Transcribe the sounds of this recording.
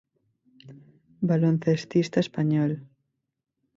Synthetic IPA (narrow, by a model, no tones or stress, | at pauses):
balon̟θest̪ist̪aespaɲɔl